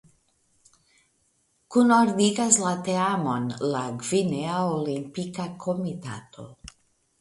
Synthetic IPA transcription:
kunoɾd̪iɡazlat̪eamonlaɡvineaolimpikakʰomit̪a̰t̪ʰo̰

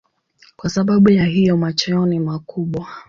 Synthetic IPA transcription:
kwasaɓaɓujaɦijɔmat͡ʃɛɔnimakuɓwa

